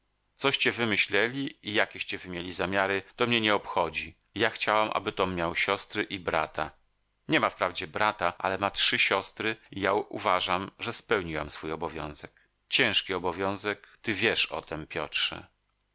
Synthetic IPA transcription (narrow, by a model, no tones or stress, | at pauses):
t̪sɔɕt͡ɕɛvɘmɘɕlɛlʲiijakʲeɛɕt͡ɕɛvɘmʲjelʲizamʲjaɾɘt̪ɔmɲɛɲɛɔpxɔd͡ʑi | jaxt͡ɕawamʔa̰bɘt̪ɔmɲawɕɔst̪ɾɘʔibɾa̰t̪a | ɲɛmafpɾavd͡ʑɛbɾat̪aʔa̰lɛmatʂɘɕɔst̪ɾɘijaṵvaʐamʐɛspɛwɲiwa̰msfujɔbɔvʲjɔ̰̃w̃zɛk | t͡ɕɛ̃w̃ʂkʲiɔbɔvʲjɔ̃w̃zɛkt̪ɘvʲjɛʂɔ̰t̪ʰɛmpʲjɔ̰tʂɛ̰